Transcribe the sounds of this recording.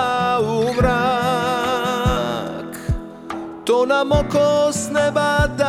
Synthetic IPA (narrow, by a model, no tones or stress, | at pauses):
uvɾa | k | t̪ɔnamɔkɔsnɛbad̪a